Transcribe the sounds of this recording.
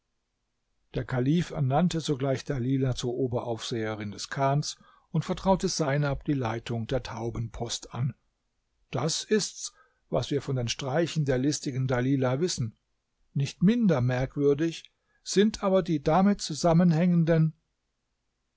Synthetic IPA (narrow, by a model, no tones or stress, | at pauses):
d̥eːɐkʰaliːfɛ̰ɐnantəzoɡlaɪçd̥aliːlat͡suːɐʔoːbɐʔaʊfz̥eːəʁɪndɛskʰaːns | ʊntfɛɐtʁ̥aʊtəzaɪnap̚d̥iːlaɪtʰʊŋdeːɐtʰaʊbənpʰɔstʔan | d̥asɪsts | vasv̥iːɐfɔndeːnʃtʁ̥aɪçn̩deːɐlɪstɪɡn̩daliːlavɪsn̩ | nɪçtmɪndɐmɛɐkv̥ʏɐdɪç | z̥ɪntʔaːbɐdiːdamɪtt͡suzamənhɛŋəndən